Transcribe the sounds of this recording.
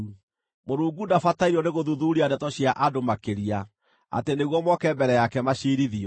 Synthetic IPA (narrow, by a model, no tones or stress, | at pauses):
moɾuːŋɡudafataiɾɔneɣoðuðuːɾiadɛtɔɕiaʔadomakeɾia | a̰teneɣwɔmwɔkɛmbɛɾɛjakɛmaɕiːɾiðiɔ